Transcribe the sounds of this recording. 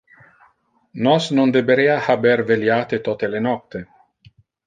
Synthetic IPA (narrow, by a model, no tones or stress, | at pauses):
nɔsnond̪ebeɾeːahabeɾveljaːt̪et̪ot̪elenɔt̪ːe